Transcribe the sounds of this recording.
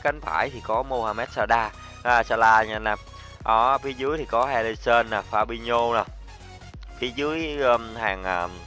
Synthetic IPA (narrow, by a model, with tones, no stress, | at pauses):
ka˨˦ŋ̟fa̰ː˧˩jt̪ʰi˨˩kɔ˨˦mo˧haː˨˩mɛ˦˥t̚saː˧ɗaː˧˦˨ | saː˧laː˧ɲa˧naː˧˩m | ʔɔː˨˩fi˨˦zɨ˨˦jt̪ʰi˨˩kɔ˨˦hɛ˧li˧sə˧nːaː˨˩faː˧ɓi˧ɲo˧naː˨˩ | fi˨˦zɨ˨˦əjhaː˨˩ŋʔəː˨˩